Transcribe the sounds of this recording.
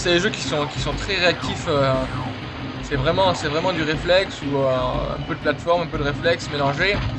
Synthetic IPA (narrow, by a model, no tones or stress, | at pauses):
sɛd̪eʒøkʲi̥sɔ̃kʲi̥sɔ̃t̪χɛʁeak̚t̪ifø | sɛvʁɛmɑ̃sɛvʁɛmɑ̃d̪yʁeflɛksuøɛ̰̃pød̪əplat̪fɔʁmɛ̃pød̪əʁeflɛksmelɑ̃ʒe